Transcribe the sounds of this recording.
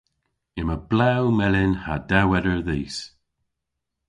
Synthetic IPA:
ɪməblawmɛlɪnhadɛwɛdəɹðiːs

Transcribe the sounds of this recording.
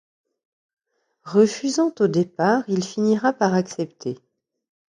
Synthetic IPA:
ʁəfyzɑ̃t̪od̪epaʁilfiniʁapaʁaksɛpt̪ʰe

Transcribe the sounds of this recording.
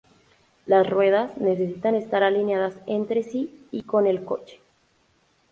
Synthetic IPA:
lasrwe̞ðasne̞sesit̪anest̪aɾalinjaðasent̪ɾe̞siiko̞ne̞lko̞̰t͡ʃe̥

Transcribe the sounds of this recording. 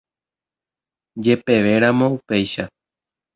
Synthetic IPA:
d͡ʒe̞pe̞ʋe̞ɾamõupe̞jʃa

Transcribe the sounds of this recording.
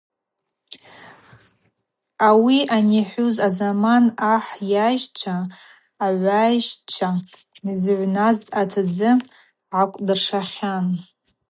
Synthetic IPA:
awiʔaniħʷuzazamanaħjajʒt͡ʃʷʰaː | ʕʷajʃʈ͡ʂʷʰa | nɨzʕʷnaztʼatʰad͡zɨ | ʕakʷʼdɨrʂaχʲan

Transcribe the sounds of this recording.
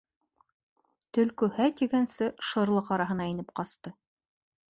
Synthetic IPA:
t̪ɵ̆lkɵhæt̪iɡænsɘʃɤ̆ɾlˠɤqɑɾɑɦɤ̆nɑinɘp̚qɑst̪ɤ

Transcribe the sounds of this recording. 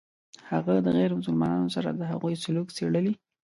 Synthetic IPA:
haɣad̪əɣɛɾmʊsʊlmɑnɑnosaɾa̰d̪əɦa̰ɣujsʊlukseɽəli

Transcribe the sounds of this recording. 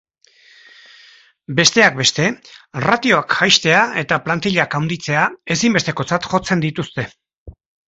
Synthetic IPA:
be̞st̪e̞ak̚be̞st̪e̞rat̪io̞akxajst̪e̞ae̞t̪aplant̪iʎakawnd̪it͡se̞ae̞simbe̞st̪e̞ko̞t͡sat̪xo̞t͡se̞nd̪it̪ust̪e̞

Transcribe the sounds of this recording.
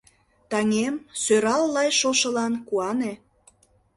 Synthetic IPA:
t̪ɑŋemsøɾɑlːɑjʃoʃə̆lɑnkuɑne

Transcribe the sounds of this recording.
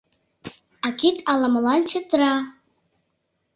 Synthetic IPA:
akʲitʼalamalant͡ʃʰadra

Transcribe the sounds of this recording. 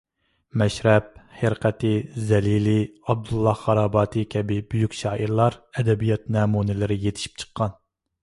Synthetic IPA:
mɛʃɾɛp̚heɾqʰɛt̪ʰɪzɛlilɪɑb̚d̪ulˠːɑhʁɑɾɑːbɑːt̪ʰɨkʲʰɛbɪbyjykʲʃɑːʔiɾlˠɑɾɛd̪ɛbijɑt̪̚nɛːmunɪlɪɾɪjet̪ʰɪ̥ʃi̥p̚t͡ʃʰə̥qʰːɑn

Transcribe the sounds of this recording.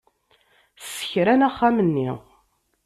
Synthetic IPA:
θə̥çɾænæχːamənːḭ

